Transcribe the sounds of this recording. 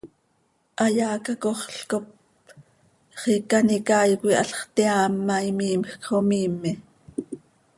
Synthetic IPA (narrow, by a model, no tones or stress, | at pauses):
ʔɑjɑːkɑkoχɬkop̚ | χikɑnikɑːjkʷiʔɑ̰ɬχt̪iɑːmːɑjmiːmxkχomiːmːi